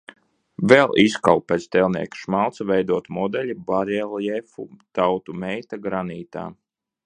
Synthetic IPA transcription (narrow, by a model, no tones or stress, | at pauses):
vɛlˠiskalˠpːɛt̪st̪ɛlˠnḭɛkʃmalˠt̪savʲɛjd̪uɔt̪mɔd̪ɛlʲibaɾɛlˠjɛfṵt̪awt̪umɛjt̪aɡɾaniːt̪a̰ː